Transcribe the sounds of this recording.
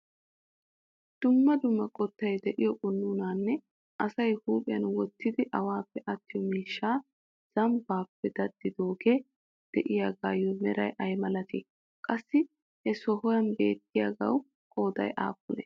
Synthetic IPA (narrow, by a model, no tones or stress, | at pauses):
d̪̥ʊmːɐd̪ʊmːɐkʼɔt̪ːɐjd̪ɛʔɪjɔɡʊnːʊnaːnːɛ | ʔɐsɐjhuːpʼɪjɐnwɔt̪ːɪd̪ɪʔɐwaːpːɛʔɐt̪ːɪjɔmiːʃːaː | z̥ɐmbaːpːɛd̪̥ɐd̪̥ːɪd̪oːɡeː | d̪̥ɛʔɪjaːɡaːjɔmɛɾɐ̰jʔɐjmɐlɐt̪iː | kʼɐsːɪ | hɛsɔhɔjɐnbeːt̪ːɪjaːɡɐ̰w | kʼoːd̪ɐ̰jʔa̰ːkːʊnɛ̰